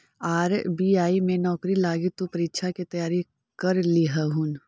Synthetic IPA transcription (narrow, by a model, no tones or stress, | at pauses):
aːɾbiaːimẽnɔːkɾilaːɡit̪upɐɾitʃʰakit̪ɐjaːɾi | kɐɾliɦəɦun